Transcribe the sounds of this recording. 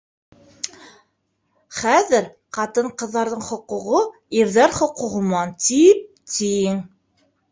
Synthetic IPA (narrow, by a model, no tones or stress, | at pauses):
χæðɘɾ | qɑt̪ɤɴqɤ̆ðːɑɾðɤɴχŏquʁo | iɾðæɾχŏquʁɤ̆mɑnt̪ip̚ | t̪ijɘŋ